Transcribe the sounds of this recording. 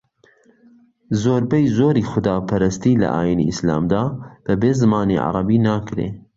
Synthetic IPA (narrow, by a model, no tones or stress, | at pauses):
zoːɾbɛjzoːɾiːxʊd̪aːpʰɐɾɐst̪iːlɐ̰ʔa̰ːjinḭɪsla̰ːmd̪aːb̥ɐbeːzɨmaːnḭʕɑ̰ɾˤɑbiːnaːkɾḛː